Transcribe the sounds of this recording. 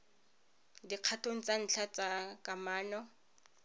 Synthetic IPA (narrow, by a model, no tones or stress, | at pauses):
diq͡χʰatʰoŋ̩t͡sʼan̩t͡ɬʰat͡sʼakʼamaːnɔ